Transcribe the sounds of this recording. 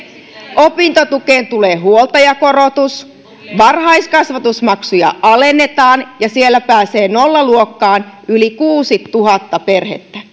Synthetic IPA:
ʔopint̪ot̪ukeːnt̪uleːhuolt̪ɑjɑkorot̪us | ʋɑrhɑiskɑsʋɑt̪usmɑksujɑ̰ʔɑlenːet̪ɑːnjɑsielːæpæːseːnolːɑluokːɑːnylikuːsit̪ːuhɑt̪ːɑperhḛt̪ːæ

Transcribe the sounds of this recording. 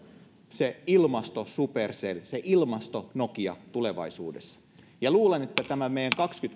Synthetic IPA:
seilmɑst̪osuperselseʔilmɑst̪onokiɑ̰t̪uleʋɑ̰isṵːdḛsːɑ̥ | jɑluːlenet̪ːæt̪æmæmejæŋkɑkskyt̪

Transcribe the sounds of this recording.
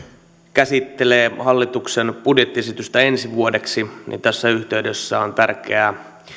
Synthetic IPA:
kæsit̪ːeleːhɑlːit̪uksenpudjet̪ːiesit̪yst̪æensiʋuodeksinḭnt̪æsːæyht̪eydøsːæont̪ærk̟eæ

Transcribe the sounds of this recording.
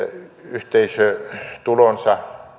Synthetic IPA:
yht̪eisøt̪ulonsɑ

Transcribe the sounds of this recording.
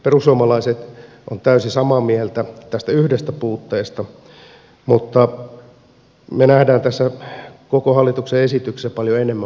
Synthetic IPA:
perussuomɑlɑiset̪ | ʔo̰nt̪æysisɑmɑmielt̪æt̪æst̪æyhdest̪æpuːt̪ːeːst̪ɑ | mut̪ːɑ | menæhdæːnt̪æsːækokohɑlːit̪ukseesit̪yksispɑljoenemːæ

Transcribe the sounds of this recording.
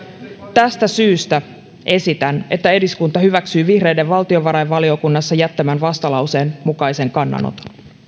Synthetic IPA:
t̪æst̪æsyːst̪æ | ʔe̞sit̪æne̞t̪ːæe̞diskunt̪ɑhyʋæksyːʋihre̞jdeʋʋɑlt̪io̞ʋɑɾɑjʋʋɑlio̞kunːɑsːɑjæt̪ːæmænʋɑst̪ɑlɑwse̞ːnmukɑjse̞ŋkɑnːɑ̰no̰t̪ɑ̥n

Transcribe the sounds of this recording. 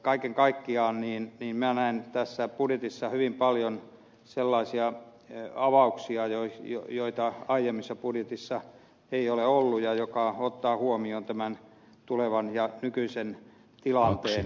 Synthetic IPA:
kɑikeŋkɑikːiɑːnniːnniːmmænæent̪æsːæpudjet̪isːɑhyʋimpɑljon | selːɑisiɑ | ɑʋɑuksiɑjoijo̰joit̪ɑɑijemːisːɑpudjet̪isːɑ | eioleolːujɑjokɑot̪ːɑːhuomiont̪æmæn | t̪uleʋɑnjɑnykyisen | t̪ilɑnt̪eːn

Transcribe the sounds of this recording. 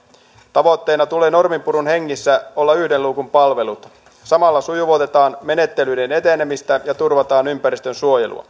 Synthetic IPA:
t̪ɑʋo̞t̪ːe̞ːnɑt̪ule̞ːno̞rmimpuɾunheŋːisːæolːɑyhdeluːkumpɑlʋe̞lut̪ | sɑmɑlːɑsujuʋot̪e̞t̪ɑːnme̞ne̞t̪ːe̞lyːdene̞t̪e̞nemist̪æjɑt̪urʋɑt̪ɑːnympæɾist̪ønsuo̞jḛlṵɑ̰

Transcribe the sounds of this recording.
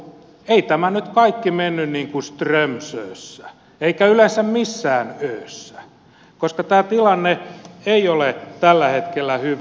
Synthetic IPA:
eit̪æmænyt̪kɑikːimenːynniːŋkust̪remsøːsːæ | eikæylensæmmisːæːnøːsːæ̥ | koskɑt̪æːt̪ilɑnːeeiolet̪ælːæhet̪kelːæhyʋ

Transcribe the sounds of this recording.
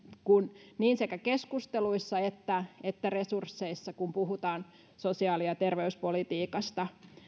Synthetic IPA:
kunniːnsekækeskust̪eluisːɑet̪ːæet̪ːæresursːeisːɑkumpuhut̪ɑːn | sosiɑːlijɑt̪erʋeyspolit̪iːkɑst̪ɑ

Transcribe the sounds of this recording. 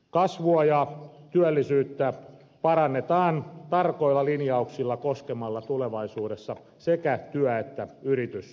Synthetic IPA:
kɑsʋuɑjɑt̪yælːisyːt̪ːæ | pɑɾɑnːet̪ɑːnt̪ɑrkoilːɑlinjɑuksilːɑkoskemɑlːɑt̪uleʋɑisuːdesːɑ | sekæt̪yæet̪ːæyrit̪ys

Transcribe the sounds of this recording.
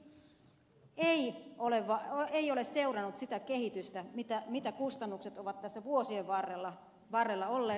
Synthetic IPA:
eioleʋːɑeiolesseurɑnut̪sit̪ækehit̪yst̪æmit̪æmit̪ækust̪ɑnːukset̪oʋɑt̪t̪æsːæʋuosieʋʋɑrelːɑ | ʋɑrːelːɑolːeː

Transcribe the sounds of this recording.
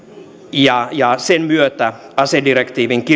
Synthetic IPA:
jɑjɑsenmyøt̪æ | ɑsedirekt̪iːʋiŋki

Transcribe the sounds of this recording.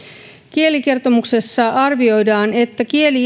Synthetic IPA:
kielike̞rt̪o̞muksesːɑɑrʋio̞jdɑːne̞t̪ːækie̞li

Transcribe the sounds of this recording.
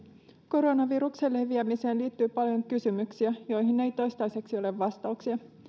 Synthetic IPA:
ko̞ɾo̞nɑʋiɾukselːeʋiæmise̞ːnliːt̪ːyːpɑljo̞ŋkysymyksiæjo̞jɦinːe̞jt̪o̞jst̪ɑjse̞ksio̞le̞ʋːɑst̪ɑuksiɑ

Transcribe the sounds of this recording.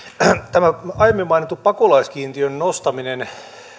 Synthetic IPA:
t̪æmæɑjemːimɑinit̪ːuppɑkolɑiskiːnt̪iønnost̪ɑminen

